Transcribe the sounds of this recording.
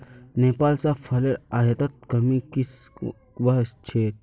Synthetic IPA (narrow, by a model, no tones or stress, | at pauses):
neːpaːlsapʰɐləɾajɐt̪ɐt̪̚kɐmikis | ʋɐɦst͡ʃʰeːt̪̚